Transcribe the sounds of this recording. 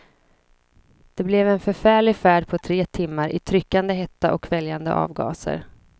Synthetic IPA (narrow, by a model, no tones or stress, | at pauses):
d̪̥ɛblɛvɛnfœɾfæːɭɪɡfæːɖpʰɔt̪ʰɾeːt̪ʰɪmːaɾʔɪt̪ʰɾʏkːand̪əɦɛt̪ːaʔɔkvɛljand̪ə̰ʔɑ̰ːvɡɑ̰ːsə̰ɾ